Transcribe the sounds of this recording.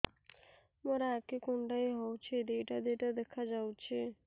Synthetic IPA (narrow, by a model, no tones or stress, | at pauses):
moɾaːkekuɳɖajɦɔwt͡ʃʰed̪eʈad̪eʈad̪ekʰad͡ʒawt͡ʃʰe